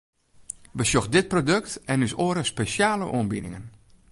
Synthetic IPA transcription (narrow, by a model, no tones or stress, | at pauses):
ʋəsjoxdɪt̚prodɵk̚tɛnysoəɾəspesjaːlə̰ʔoənbinɪ̰ŋən